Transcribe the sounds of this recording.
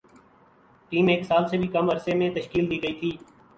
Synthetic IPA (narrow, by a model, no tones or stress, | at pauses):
ʈiːmeːksaːlseːbʱiːkəməɾseːmẽt̪əʃkiːld̪iːɡəiːt̪ʰiː